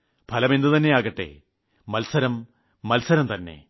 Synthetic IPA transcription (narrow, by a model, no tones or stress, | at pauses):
pʰɐlɐmend̪ɨt̪ɐnːe̞aːɣɐʈːe̞̰ | mɐlsɐɾɐmː | ɐlsɐɾɐmt̪ɐnːe̞̰